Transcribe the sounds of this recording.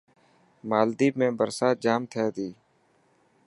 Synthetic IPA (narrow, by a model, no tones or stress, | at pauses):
maːld̪iːmẽːbəɾsaːd͡ʒaːmt̪ʰɛːd̪iː